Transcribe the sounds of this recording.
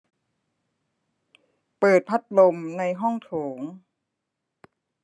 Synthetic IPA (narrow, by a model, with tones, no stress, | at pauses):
pɤː˨˩t̪̚pʰa˦˥t̪̚lo˧mna˧jɦɔ˥˩ŋt̪ʰoː˩˦ŋ